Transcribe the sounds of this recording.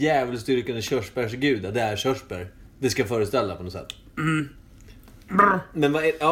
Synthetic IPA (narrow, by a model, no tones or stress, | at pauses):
jæːvəlst̪ʏɾkənd̪əɕœʂpæʂɡʉ̟ːd̪ad̪ɛæɾɕœʂpəɾd̪ɛskajfœːɾəst̪ɛlːapʰɔnɔsɛ̰t̪ː | mɛnvaɛɑː